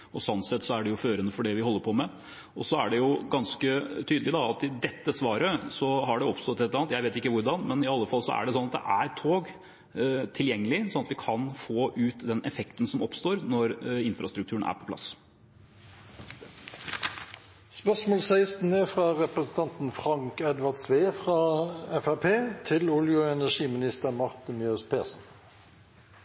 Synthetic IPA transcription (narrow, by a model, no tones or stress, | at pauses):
ɔsɔnsɛt̪ːsɔæɖɛjʊføːɾənəfɔɖɛʋɪɦɔlːəɾpʰɔmɛ | ɔsɔæ̰ɖɛjʊɡɑnskət̪ʰyːd̪lɪd̪ɑɑt̪ɪd̪ɛt̪ːəsʋɑːɾəsɔɦɑɖɛɔpst̪ɔt̪ːɛt̪ləɾɑnt̪jæɪʋeːt̪ɪkːəʋʊɾɖɑnmɛnɪɑlːəfɑlːsɔ̰æ̰ɖɛsɔnːɑt̪̚d̪ɛ̰ʔæɾt̪ʰːoːɡ | t̪ʰɪljɛŋːəlɪsɔnɑt̪ʋɪkʰɑnfoːʔʉːt̪d̪ɛnʔɛfɛkt̪ən̩sɔmɔpst̪oːɾnɔɾɪnfɾɑst̪ɾʉk̚t̪ʉːəɳæ̰ːɾpʰɔplɑ̰s | spœʁsmoːlsæɪst̪nəfʁɑʁɛpɾəsn̩t̪ʰɑnt̪n̩fʁɑŋkɛd̪ʋɑʁd̪sʋeːfʁɑɛfæpʰeːt̪ʰɪlʊljʊɛnæʂiːmɪnɪst̪əɾmɑʁt̪əmjøːspʰeːsn̩